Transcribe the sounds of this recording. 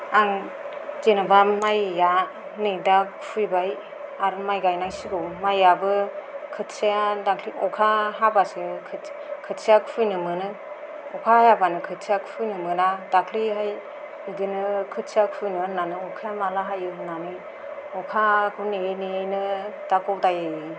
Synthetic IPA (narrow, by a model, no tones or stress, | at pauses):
aŋd͡ʒenɯbamajːa | neda | ujbaj | aɾɯmajɡajnajsiɡɯwmajːabɯkʰɯtsiadakʰliʔɔkʰaɦabasikʰ | kʰɯtsiakpʰujnɯmɯnɯ | ɔkʰajabanɯkʰɯt̚sʰijakʰpʰujnɯmɯnadakʰliɦaj | ɯdinɯkʰɯtsiakʰujnɯnanɯɔkʰamalaɦajɯnanɯ | ɔkʰakʰɯnenenɯdakɔwdajɯ